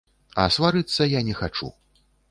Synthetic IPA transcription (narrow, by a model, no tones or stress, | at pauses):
ɐ̰svaɾɨt̪sːɐjanʲɛxat͡ʂṵ